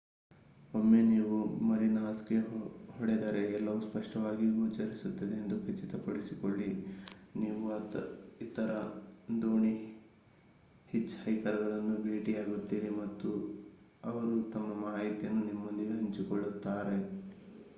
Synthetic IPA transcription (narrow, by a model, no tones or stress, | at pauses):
omːe̞niːʋumɐɾinaɐskehɔɽed̪ɐɾe̞ɛlːɐʋuspɐʂʈɐʋaːɡiɡut͡ʃːɐɾisut̪ːɐd̪eend̪ukɐt͡ʃːit̪ɐpɐɽisikoɭːi | niːʋuɐt̪it̪ɐɾɐ | d̪oːɳi | hit͡ʃːhɐjkɐɾɐɡɐɭɐnːubʱe̞ːʈiaːɡut̪ːiːɾimɐt̪ːu | ɐʋɐɾut̪ɐmːɐmaːɦɐjt̪jɐnːunimːond̪iɡeɦɐɲt͡ʃikoɭːut̪ːaːɾe̞